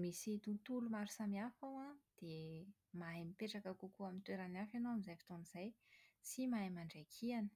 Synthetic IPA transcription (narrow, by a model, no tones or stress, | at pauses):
misit̪ut̪ulumaɾusamiafawad̪̥e | maɦemipeʈ͡ʂakakukuamint̪weɾanafanowamizajfi̥t̪oniz̥ajsimaemaɳɖ͡ʐajkʰianə̥